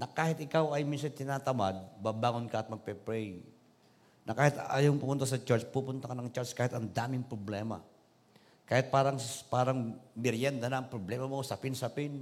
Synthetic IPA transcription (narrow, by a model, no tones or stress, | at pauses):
nɐkaːhɪt̪ɪkawɐjmins̬ant̪ɪnaːt̪ɐmad̪̚babaːŋonkaʔːt̪̚mɐɡ̚pɛpɾɛj | nɐkaːhɪt̪a̰ːjawŋpʊmʊnt̪asɐt͡ʃɛɹt͡ʃpupʊnt̪akɐnɐŋt͡ʃaɹt͡ʃkaːhɪt̪ɐnd̪aːmɪŋpɾoblɛmɐ̰ | kaːhɪt̪̚paːɾɐŋpaːɾɐŋmɪɾjɛnd̪ɐnɐɐŋpɾoblɛmɐmosɐpɪnsɐpɪn